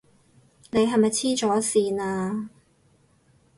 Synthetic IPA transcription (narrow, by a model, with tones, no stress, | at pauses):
ne˨˧jɦɐ˨jmɐ˨jt͡sʰiː˥t͡ʃɔː˨˥siː˧naː˧